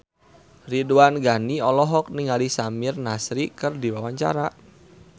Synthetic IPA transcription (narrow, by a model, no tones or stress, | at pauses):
riduanɡaniɔlɔɦɔk̚niŋalisamirnasɾikɨrdiwawaɲt͡ʃa̰ɾa